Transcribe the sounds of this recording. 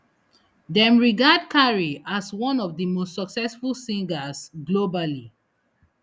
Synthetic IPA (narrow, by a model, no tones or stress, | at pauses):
dɛ̃mɹiɡadkʰaɹiʔaswɔ̃nɔvðəmostsɔksɛsfulsĩŋɡasɡlobali